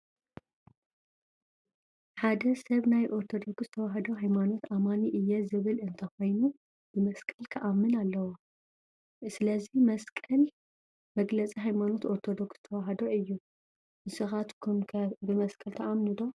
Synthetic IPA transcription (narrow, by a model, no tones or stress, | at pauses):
ħad̪ɐsɐβnajʔo̞ɾt̪ʰo̞d̪o̞kst̪ʰɐwaɦɐd̪oɦajmano̞t̪amaniʔɨjːɛzɨβɨlɨnt̪ʰɐxo̞jnu | b̥ɨmɐskʼɐlk̪ʰɐʔamːɨnalːɐwo | sɨlɐzimɐskʼɐl | mɐɡlɐt͡sʼiɦajmano̞t̪o̞ɾt̪ʰo̞d̪okst̪ʰɐwaɦɐd̪o̞ɨjːu | nɨsɨxat̪kʰumʰbɨmɐskʼɐlt̪ʰɐʔamnɨd̪o̞